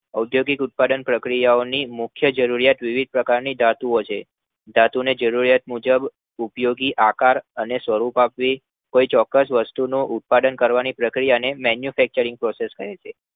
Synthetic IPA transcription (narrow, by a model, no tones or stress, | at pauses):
əud̪joɡikut̪̚paɖənpɾəkɾijaonimʊkʰjəd͡ʒəɾuɾijat̪ʋiʋid̪̚pɾəkaɾnid̪ʱat̪uot͡ʃʰe | d̪at̪uned͡ʒəɾuɾijat̪̚mud͡ʒəb | upjoɡiʔakaɾənesʋəɾupapʋi | koit͡ʃɔkːəsʋəst̪unoʔut̪̚paɖənkəɾʋanipɾəkɾijanemɛnjufɛk̚t͡ʃəɾĩŋɡpɾɔseskəɾet͡ʃʰe